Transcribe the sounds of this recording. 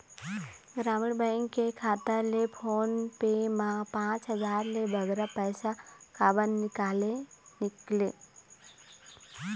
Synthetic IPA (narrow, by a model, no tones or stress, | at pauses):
ɡɾaːmiɽbə̃ɪŋkːekʰaːt̪əɾlepʰoːnpemãpãːt͡ʃɦəzaːɾlebʱəɡɾapɛjsakaːbənːɪkaːlenikle